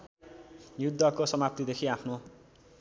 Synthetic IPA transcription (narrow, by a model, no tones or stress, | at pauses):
jud̪ʱːʌkosʌmapt̪id̪ekʰiapʰno